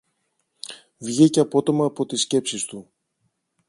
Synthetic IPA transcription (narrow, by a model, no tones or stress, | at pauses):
vʝiceɐpo̞t̪o̞mɐːpo̞t̪isce̞psist̪u